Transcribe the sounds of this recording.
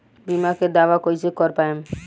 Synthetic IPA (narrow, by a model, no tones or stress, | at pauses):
bimaked̪awakojt͡ʃʰekɔɾpaem